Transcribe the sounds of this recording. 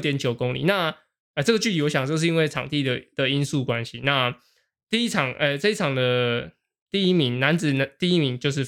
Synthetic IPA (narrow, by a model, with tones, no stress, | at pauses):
t̪jɛ˦nt͡ɕjo˨˩ʊko˦˥ŋlḭ˨˩na˥˨ | ə˧˩ʈ͡ʂɤ˥˩ɡə˩t͡ɕy˥˩t̪i˨˩wɔ˧˦ɕjɑ˨˩ŋt͡ɕjo˥˧ʂ̬̩˥˩˧i˥nwe˥˩ɪʈ͡ʂʰɑ̰˨˩ŋt̪i˥˩d̪ə˩d̪̥ə˨i˦˥nsu˥˨˩kwa˦nɕi˦na˥˧ | t̪i˥˧i˥ʈ͡ʂʰɑ˨˩ŋɛ˨˩t͡sɤ˥˧i˥˩ʈ͡ʂʰɑ˨˩ŋd̪ə˨ | t̪i˥˩i˥mi˧˦ŋna˧˦nd͡zɹ̩˨˩n˨t̪i˥˧i˥mi˧˦ŋt͡ɕjo˥˧ʊʂ̬ɻ̩˥˩